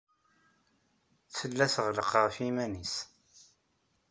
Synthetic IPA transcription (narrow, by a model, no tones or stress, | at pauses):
θəlːæθʁləqʁəfimænis